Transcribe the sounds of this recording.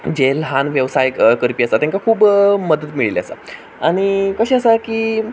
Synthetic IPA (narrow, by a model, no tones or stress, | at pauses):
d͡ʑelɦanʋjeʋsajkəɾpiəsat̪jãŋkakʰuːbməd̪ət̪miɭila̰sa̰ | aɽ̃ikəɕeəsakiː